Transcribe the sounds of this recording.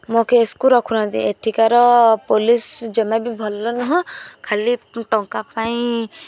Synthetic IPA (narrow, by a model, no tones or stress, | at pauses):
mokeːskuɾɔkʰunãd̪ḭeʈʰikaɾɔpolisd͡ʒɔmabʱibʱɔlːɔnɔɦɔ̃kʰaliʈɔŋkapaĩ